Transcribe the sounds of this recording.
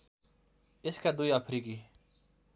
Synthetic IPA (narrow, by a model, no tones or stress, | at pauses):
ɪskad̪uiapʰɾiːki